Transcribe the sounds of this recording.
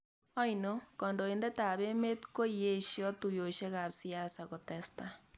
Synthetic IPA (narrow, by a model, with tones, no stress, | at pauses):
ɔ˦inokɔ˨ndo˨e˨nde˦ta˨βe˦me˦tko˦ie˦ʃjɔ˦tu˨jo˨ʃe˦ɣa˨psi˦a˦sako˨te˨sta